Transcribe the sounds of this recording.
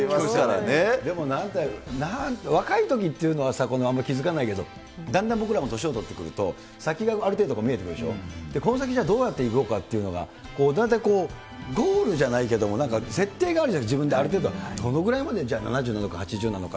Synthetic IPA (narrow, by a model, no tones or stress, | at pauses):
saɾaned̪e̞mo̞nãnt̪anaβakait̪o̞k̬ʲit̪ːeiɯ̟no̞βasako̞noamːaikʲizɨkanaike̞d̪o̞̰ | d̪ãnd̪ãmbo̞kɯ̟ɾamo̞t̪o̞ɕio̞t̪o̞t̪ːe̞kɯ̟ɾɯ̟t̪o̞̰ | sakʲiɡaaɾɯt̪eːd̪okoːmʲiet̪ekɯd̪eɕo̞̰d̪̥e̞ko̞no̞s̬akʲiʑaːd̪o̞ːjat̪ːe̞ikɯokat̪ːe̞iɯ̟no̞ɡa̰ | ko̞ːnant̪̬aiko̞ː | ɡ̪o̞ːɾɯ̟ʑanaike̞d̪o̞mo̞nãŋkase̞t̪ːe̞ːɡaːɾɯ̟ad͡ʑibɯ̟nd̪eaɾɯ̟t̪ed̪od̪o̞no̞ɡɯ̟ɾaimad̪e̞d͡ʑaːna̰naʑɨ̟ːnand̪okahat͡ɕiʑɨːnano̞̰ka